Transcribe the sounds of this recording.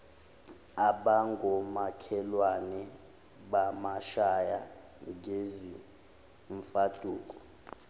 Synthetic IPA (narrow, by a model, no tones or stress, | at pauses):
aɓaŋɡʱɔmakʰɛlwanɛ | ɓamaʃaja | ŋezi | ɱfad̥ʱuːk̬ʼɔ̥